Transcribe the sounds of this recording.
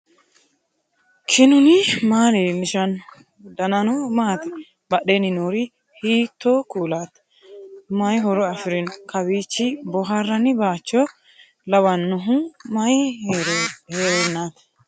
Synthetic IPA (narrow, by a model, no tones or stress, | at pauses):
kʰɪnʊnɪmaːɾemɪʃɐn | d̪ɐnɐnɔmaːt̪ɪ | bɐɗenɪnuːɾɪ | hiːt̪ːokuːlaːt̪ | mɐjɦɔɾɔɐfɪɾɪnkɐwiːt͡ʃːɪbɔɦaɾːɐnɪbaːt͡ʃːɔ | lɐwɐnːʊɦʊmɐjheːɾɔheɾɛnːaːt̪